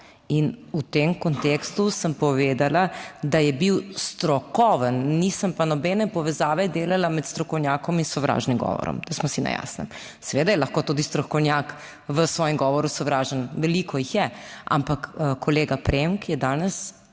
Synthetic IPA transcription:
inut̪emkɔnt̪ekst̪usəmpɔʋeːd̪alad̪ajɛbiwst̪ɾɔkɔʋənnisəmpanɔbɛnɛpɔʋɛzaːʋɛd̪eːlalamɛt̪st̪ɾɔkɔwnjaːkɔminsɔʋɾa̰ːʒnimɡɔ̰ʋɔ̰ɾɔ̰md̪asmɔsinɛ̰ja̰snɛ̰m | sɛʋeːd̪ajɛlaxkoːt̪ud̪ist̪ɾɔkɔwnjak | ʋəsʋɔːjəmɡɔʋɔɾusɔʋɾaːʒənʋɛliːkɔjixjɛʔa̰mpakkʰɔleːɡapɾemkjɛd̪aːnɛs

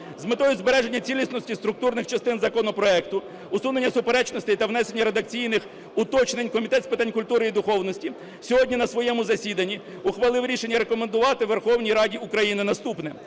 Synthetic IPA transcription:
zmet̪ɔjʊzbeɾɛʒe̞nʲːɐt͡sʲilʲisnɔsʲtʲist̪ɾʊk̚t̪urnɪxt͡ʃɐst̪ɪnzɐkɔnɔpɾɔɛkt̪ʊ | ʊsune̞nʲːɐsʊpeɾɛt͡ʃnɔsʲt̪ɪjt̪ɐwnɛsenʲːɐɾe̞d̪ɐk̚t͡sʲijnɪx | ʊt̪ɔt͡ʃnenʲkɔmʲit̪ɛt̪spɪt̪ɑnʲkʊlʲt̪uɾɪid̪ʊxɔwnɔsʲtʲi | sʲɔɦɔdʲnʲinɐsʋɔjɛmʊzɐsʲid̪ɐnʲːi | ʊxʋɐlˠɪwɾʲiʃenʲːɐɾe̞kɔmend̪ʊʋɑt̪ɪʋerxɔwnʲijɾɑdʲiʊkɾɐjinɪnɐst̪upnɛ

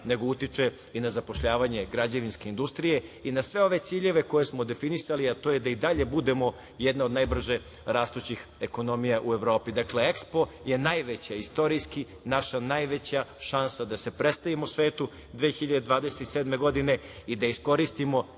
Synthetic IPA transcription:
ne̞ɡo̞ut̪it͡ʂe | inazapo̞ʃʎaːʋaɲe̞ɡɾad͡ʑaʋinske̞ind̪ust̪ɾije̞inasʋe̞o̞ʋe̞t̪siːʎe̞ʋe̞ko̞je̞smod̪e̞finisaliat̪oːjed̪aid̪aʎe̞bud̪e̞mo̞ | jed̪nao̞d̪najbr̩ʒe | ɾaːst̪ut͡ɕixeko̞no̞mijaʔueʋɾo̞ːpid̪akle̞ekspo̞ | je̞najʋet͡ɕaist̪o̞ɾijski | naʃanajʋe̞t͡ɕaʃansad̪ase̞pɾe̞st̪aʋimosʋe̞ːt̪u | d̪ʋeːxiʎad̪ed̪ʋaːd̪e̞set̪iseːd̪me̞ɡo̞d̪ine̞id̪aisko̞ɾist̪imo̞

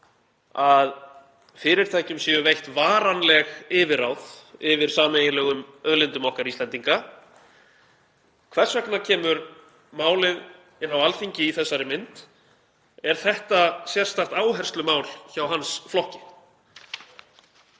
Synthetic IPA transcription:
að | fɪɾɪɾ̥t̪ʰajcʏmsjɛʏvejht̪vaːɾanlɛɣɪːvɪɾawðɪvɪɾ̥saːmejlɛɣʏmœðlɪnt̪ʏmɔhkaɾist̪ɛnt̪iŋka | kʰvɛr̥svɛknacʰɛːmʏɾ | maːwlɪð | ɪnːawalfiɲcɪiθɛsːaɾɪmɪnt̪ | ɛɾ̥θɛht̪asjɛr̥st̪aht̪aːwɦɛr̥st̪lʏmaːwlçawɦansflɔhcɪ̥

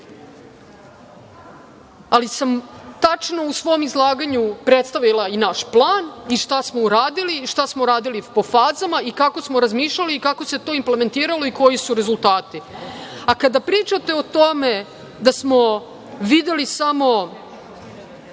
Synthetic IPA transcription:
alisamt̪at͡ʃno̞usʋo̞mizlˠaːɡaɲupɾet̪st̪aʋilˠainaʃplˠaːniʃt̪asmouɾaːd̪iliʃt̪asmoɾaːd̪ilipo̞faːzamaikako̞smo̞ɾazmiːʃlʎaliːkako̞se̞t̪o̞ːimple̞me̞nt̪iːɾalo̞iko̞jisuɾe̞zulˠt̪aːt̪iakad̪apɾiːt͡ʃat̪e̞ot̪o̞me | d̪asmo̞ | ʋid̪jelisamo̞

